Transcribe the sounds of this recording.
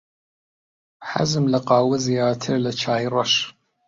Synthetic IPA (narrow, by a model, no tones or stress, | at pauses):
ħa̰zɨmlɐqɑːwəzijaːtʰɨrlɐt͡ʃʰaːjrɐʃ